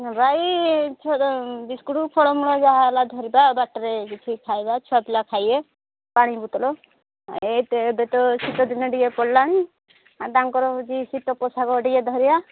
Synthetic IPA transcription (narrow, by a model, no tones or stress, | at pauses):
ɾait͡ʃʰɔb̪iskuɽupʰɔɽɔmuɽɔd͡ʒaɦalad̪ʱɔɾibabaʈɾeɡit͡ʃʰikʰajbat͡ʃʰɔapilakʰaje | paɽ̃ibut̪ɔlɔ | et̪ːbɛt̪ɔsit̪ɔd̪inɔɖijepɔɽlanĩ | ad̪aŋkɔɾɔd͡ʒisit̪ɔkɔsakɔɖiɡed̪ʱɔɾiba